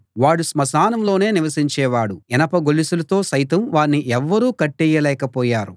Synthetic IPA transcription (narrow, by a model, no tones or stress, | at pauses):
ʋaːɽusmɐsaːnɐmlo̞ːne̞ːniʋɐsiɲt͡ʃɛːʋaːɽuɛnɐpɐɡolisulɐt̪o̞ːsɐjt̪ɐmʋaːɳːiʔɛʋːɐɾuːkɐʈːɛːjɐlɛːkɐpɔːjaːɾu